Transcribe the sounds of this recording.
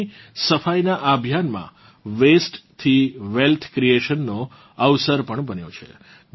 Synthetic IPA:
səfajnaʔabʱjanmã̰ | ʋesʈt̪ʰiʋelt̪ʰkɾieʃənːo | əʋsəɾpəɳbənjot͡ʃʰḛ

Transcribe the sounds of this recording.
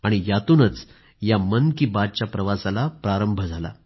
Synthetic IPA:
aɽ̃ijat̪uːnət͡s | jamənkiːbad̪̚t͡ɕjapɾəʋasalapɾaɾəmbʱəd͡zʱala̰

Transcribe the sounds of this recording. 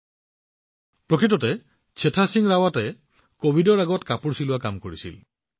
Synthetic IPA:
pɹɔkɹitɔte | t͡ʃʰetʰasiŋɹawate | kobʱidɔɹaɡɔtkapuɹsiluakamkoɹisḭl

